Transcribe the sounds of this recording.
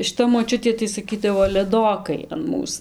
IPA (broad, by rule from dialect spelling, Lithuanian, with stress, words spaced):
ʃʲɪˈtɐ moːˈt͡ʃʲʊtʲeː tɐɪ sɐˈkʲiːdɐʋoː lʲɛˈdoːkɐɪ ɐn ˈmuːs